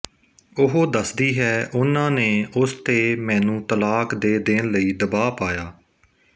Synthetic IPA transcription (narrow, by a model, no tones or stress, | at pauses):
ʊɦoːd̪əsd̪iːɦɛːʔʊnãːneːʔʊst̪eːmɛ̃ːnũːt̪əlaːkd̪eːd̪ɪnləiːd̪əbaːpaːjaː